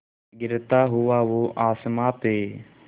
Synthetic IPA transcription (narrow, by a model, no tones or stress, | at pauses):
ɡɪɾt̪aːɦʊʋaːʋoːʔaːsmaːpeː